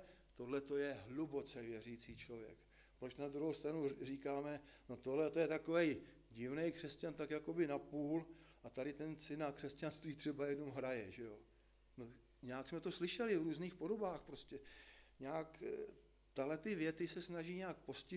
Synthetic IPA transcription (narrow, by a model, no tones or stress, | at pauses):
t̪o̞dlɛt̪o̞jɛɦlubo̞t͡sɛvjɛr̝iːt͡siːt͡ʃlo̞vjɛ̰k | pɾot͡ʃnad̪ɾuɦowst̪ɾanuriːkaːmɛno̞t̪o̞ɦlɛt̪ojɛt̪ako̞vɛj | ɟɪvnɛjkr̝̥ɛscant̪akjako̞bɪnapuːlʔat̪aɾɪt̪ɛnt͡sɪnːakr̥ɛscanst̪viːt̪r̝̥ɛbajɛdno̞mɦɾajɛʒɛjo̞ | no̞ | ɲɛaksmɛt̪o̞slɪʃɛlɪvɾuːzniːxpo̞do̞baːxpɾoscɛɲɛak | t̪aɦlɛt̪ɪvjɛt̪ɪsɛsnaʒiːɲɛaːkpo̞scɪ